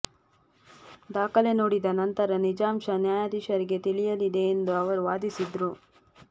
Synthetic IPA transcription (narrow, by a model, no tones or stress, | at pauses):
d̪aːkɐle̞noːɽid̪ɐnɐnt̪ɐɾɐnid͡ʒaːmʃɐnjaːjaːd̪iʂɐɾiɡe̞t̪iɭijɐlid̪e̞ːnd̪uɐʋɐɾuʋaːd̪isid̪ɾu